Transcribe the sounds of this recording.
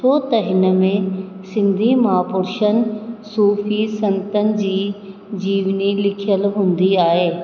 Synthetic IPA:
tʰoːt̪ɐɦɪnə̆mẽ | sɪ̃nd̪ʱimaːpʊɾʃənsuːfisɐ̃nt̪ənɪ̆d͡ʑiː | d͡ʑiːʋnilɪkʰijəlɦũːn̆d̪iaːɦeː

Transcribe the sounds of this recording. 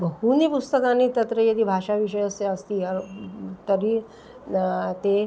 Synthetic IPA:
bəɦunipust̪əkãnit̪ɐt̪ɾəjɐd̪iːbʱaʂaʋiʂəjəseəst̪iːəɾt̪əɾi | t̪e

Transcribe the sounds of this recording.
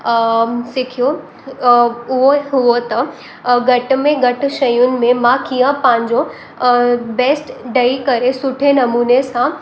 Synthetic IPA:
sɪkʰijo | ʊɦoɦʊot̪ɐ | ɡɐʈmẽɡɐʈ̆ʃɐjʊnɪ̆mẽmãkijə̃pɐ̃ɦɪ̃ɲ̆d͡ʑo | beːsʈɖɐikɐɾesʊʈʰenɐmuːnesã

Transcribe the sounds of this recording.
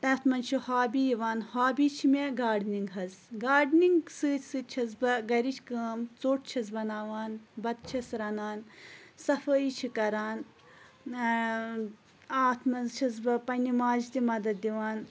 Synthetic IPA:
t̪ɐt̪ʰmɐnt͡ʃʰihaːbijiʋaːnhaːbit͡ʃʰimeɡaːɖniŋɡɦɐzɡaːɖniŋɡsɨsɨt͡ʃʰɐzbɐɡɐɾit͡ʃʰʲkəːmt͡soːʈ̚ʰt͡ʃʰɐzbɐnaːʋaːnbɐt̪̚t͡ʃʰɐsɾɐnaːnsɐfɐit͡ʃʰikɐɾaːn | aːt̪ʰmɐnzt͡ʃʰɐzbɐpɐnʲimaːd͡ʒt̪imɐd̪ɐt̪̚d̪iʋaːn

